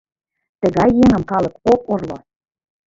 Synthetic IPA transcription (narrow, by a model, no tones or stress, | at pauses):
t̪ə̆ɣɑjːeŋə̆mkɑlˠɤ̆koporlo̰